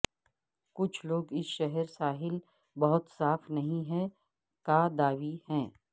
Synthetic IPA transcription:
kʊt͡ʃʰloːɡɪsʃɛɦɛɾsaːɦɪl | bɐɦʊt̪saːfnɐɦĩɦɛ̃ | kaːd̪aːʋihɛ̃ː

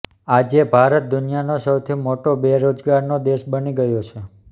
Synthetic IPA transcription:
ad͡ʒebʱaɾət̪̚d̪ʊnijanosəwt̪ʰimoʈobeɾod͡ʒɡaɾnod̪eʃbəniɡəjot͡ʃʰe

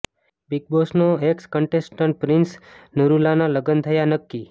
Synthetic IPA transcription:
biɡ̚bosnoekskəɳʈesʈəɳʈ̚pɾɪnsnəɾulanaləɡənt̪ʰəjanəkːi

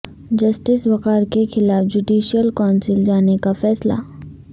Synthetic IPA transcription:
d͡ʒɐsʈɪsbɐkaːɾkexɪlaːfd͡ʒuɖiːʃijəlkaːnsɪld͡ʒaːnekafɛːsla̰ː

